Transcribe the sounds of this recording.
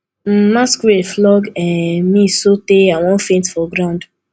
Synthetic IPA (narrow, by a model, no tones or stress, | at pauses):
m̩maskueflɔɡɛ̃mĩsoteawɔ̃n̩fẽntfɔɡɾãʊ̃nd